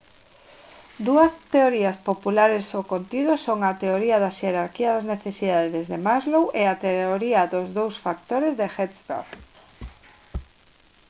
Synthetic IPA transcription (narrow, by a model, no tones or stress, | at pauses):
d̪uɐst̪eoɾiɐspopulaɾesokont̪iðʊsoŋat̪eoɾiɐðɐʃeɾaɾkiɐðazneθesiðaððezðemazlowʔeat̪eoɾiɐðʊzðowsfak̚t̪oɾezðexet̪sbḛ